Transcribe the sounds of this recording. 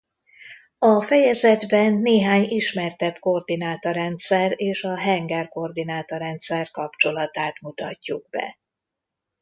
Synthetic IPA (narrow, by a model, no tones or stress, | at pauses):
ɒfɛjɛzɛd̪bɛnːeːɦaːɲiʃmɛrt̪ɛbko̞rd̪inaːt̪oɾɛnt̪sɛreːʃɒɦɛŋɡɛrko̞rd̪inaːt̪oɾɛnt̪sɛrkɒpt͡ʃo̞lɒt̪aːt̪mut̪ɒcːuɡ̥̚bɛ̰